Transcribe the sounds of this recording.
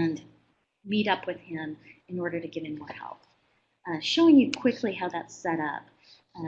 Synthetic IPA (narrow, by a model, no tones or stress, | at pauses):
ɨ̃n | miɾʌpʰwɨð̥ɪ̃mɨ̃nɔɹɾə˞ɾɨɡɪv̥ɨ̃mːɔɹhɛ̰lˠp | ʃoʊɪ̃ŋjɨkʰw̥ɪkʰliɦaʊðætsɛɾʌ̰p̚